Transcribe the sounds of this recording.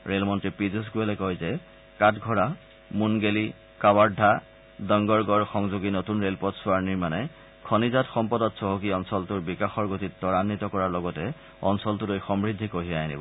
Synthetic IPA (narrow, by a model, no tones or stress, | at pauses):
ɹelmɔntɹipizus̬ɡuɛlɛkɔjzɛ | katɡʱɔɹa | munɡeli | kawaɹdʱa | dɔŋɡɔɹɡɔɹxɔŋzuɡinotunɹelpɔtsʊaɹniɹmanɛ | kʰɔnizatxɔmpɔdɔtsoɦokiɔnsɔltʊɹbikaxɔɹɡotittːɔɹanːitɔkɔɹaɹlɔɡɔtɛ | ɔnsɔltʊlojxɔmɹidʱːikoɦiajnḭbɔ